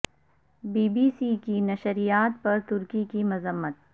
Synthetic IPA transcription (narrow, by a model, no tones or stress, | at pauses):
biːbiːsikinɐʃɾijaːt̪̚pɐɾt̪ʊɾkikimʊzəmːət̪̚